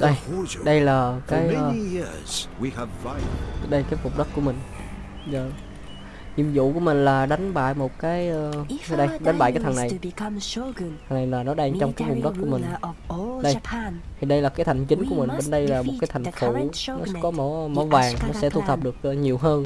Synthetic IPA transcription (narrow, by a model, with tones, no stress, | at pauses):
ɗə˧jɗə˧jlaː˨˩kaː˨˦j | wiv | ɗə˧jkaː˨˦jfʊ˨˩ŋ͡m̚ɗə˦˥t̚ku˧˩əmï˨˩ŋ̟ | zəː˨˩ | hḭ˧˩əmzṵ˧˨ku˧˩əmï˨˩ŋ̟laː˨˩ɗa˨˦jŋ̟ɓa̰ː˧˨jmo˨˩t̚kaː˨˦jə˧ɗə˧jɗa˨˦ŋ̟ɓa̰ː˧˨kaː˨˦t̪ʰna˨˩jt̪ʰə˨˩ŋna˨˩jlaː˨˩nɔ˨˦ɗaː˧ŋt͡ɕɔ˧wŋ͡mkaː˨˦jfʊ˨˩ŋ͡m̚ɗə˦˥ku˧˩əmï˨˩ŋɗə˧jt̪ʰi˨˩ɗə˧jlaː˨˩kaː˨˦jt̪ʰa˨˩jŋ̟t͡ɕï˨˦ŋ̟ku˧˩əmi˨˩ŋ̟ɓe˧˩nɗə˧jlaː˨˩mo˨t̚kaː˨˦t̪ʰa̟˩fu˧˥nɔ˨˦kɔ˨˦mɔ˧˦mɔ˨˦vaː˨˩ŋ˨nɔ˨˦sɛ̰˧˥t̪ʰu˧˩pt̪ʰə˨˩p̚ɗɨ˨˩ək̚ʔːɲi˨˩əwɦəː˧n